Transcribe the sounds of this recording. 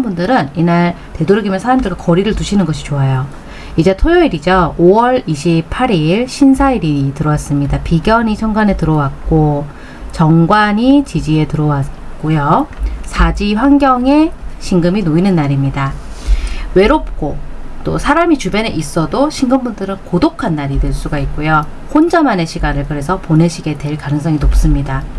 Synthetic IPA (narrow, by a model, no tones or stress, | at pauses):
mbundɯɾɯninaɭ | te̞doɾɯɡimjʌnsʰaɾamdɯɭɡakʌɾiɾɯɭtuɕʰinɯnɡʌɕʰi̥t͡ɕoajo | id͡ʑetʰojʌiɾid͡ʑʌoʌɭiɕʰipʰaɾiɭɕʰinsʰaiɾiɲtɯɾʌwas͈ɯmɲidapiɡjʌɲit͡ɕʰʌŋɡwane̞tɯɾʌwak̚k͈o | t͡ɕʌŋɡwaɲit͡ɕid͡ʑie̞tɯɾʌwak͈ojʌsʰad͡ʑiɸwaŋɡjʌŋe̞ɕʰiŋɡɯminoinɯnːaɾimɲida | we̞ɾop̚k͈ot͈o̰sʰaɾamit͡ɕubjʌneʔis͈ʌdoɕʰiŋɡɯmbundɯɾɯnkodokʰanːaɾidwe̞ɭs͈uɡaik̚k͈ojo | hond͡ʑʌmane̞ɕʰiɡanɯɭkɯɾe̞sʰʌpone̞ɕʰiɡe̞twe̞ɭkanɯŋsʰʌŋinop̚s͈ɯmɲida